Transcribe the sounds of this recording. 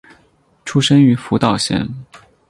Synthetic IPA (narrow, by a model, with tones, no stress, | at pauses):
ʈ͡ʂʰu˥ʂə˥ŋy˧˥fu˧˥t̪ɑ˥˩ʊɕjɛ̰˥˩n